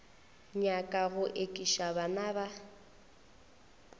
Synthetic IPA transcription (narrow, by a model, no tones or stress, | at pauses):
ɲakʼaɣʊʔekʼiʃabanaːba